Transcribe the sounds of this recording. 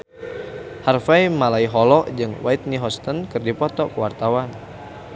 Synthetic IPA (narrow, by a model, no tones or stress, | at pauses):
harfajmalaiɦɔlɔʔd͡ʒɨŋwait̪̚niɦɔst̪ənkɨrdipɔt̪ɔkəwart̪awan